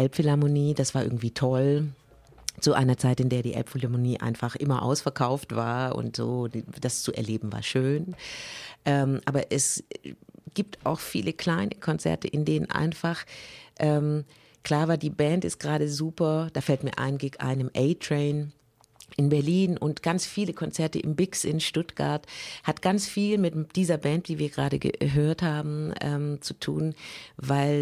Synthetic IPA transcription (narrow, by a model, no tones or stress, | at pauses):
ʔɛlpfɪlaɐmoniːd̥asv̥aːɐʔɪɐɡŋ̩tv̥iːtʰɔl | t͡suʔa̰ɪnɐt͡saɪtɪndeːɐdiːʔɛ̰lpfɪlamoniːʔa̰ɪnfaχʔɪmɐʔa̰ʊsfɛɐkʰaʊftv̥aːɐʔʊ̰ntz̥o̰ːd̥ast͡suʔɛ̰ɐleːbm̩va̰ːɐʃøːn | ʔɛːmʔaːbɐʔɛs | ɡ̥iːp̚ta̰ʊxfḭːləkʰl̥aɪnʔəkʰɔnt͡sɛ̰ɐtʰəʔɪndeːnə̰nʔa̰ɪnfaχʔɛːm | kl̥aːɐvaːdiːbɛntɪst̚ɡ̥əʁaːɾəzuːpɐd̥aːfɛltmiːɐʔa̰ɪnɡeːɡŋʔa̰ɪnəmʔɛɪtʁ̥ɛɪn | ʔɪnbɛɐliːnʔʊntɡ̥ant͡sfiːləkʰɔnt͡sɛɐtəʔɪmbɪksʔɪnʃtʊtɡ̥a̰ɐthatɡ̥ant͡sfiːlmɪtd̥iːzɐbɛntv̥iːviːɐɡʁaːɾəɡə̰ɦøːɐthaːbm̩ʔɛ̰ːmt͡sutʰṵːnvaɪl